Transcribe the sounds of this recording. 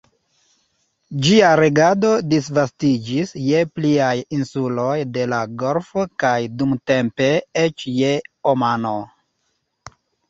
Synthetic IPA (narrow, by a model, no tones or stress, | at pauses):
d͡ʒiaɾeɡado̞disvastid͡ʒisje̞pliajinsulo̞jde̞laɡoɾfokajdumte̞mpe̞et͡ʃjeomano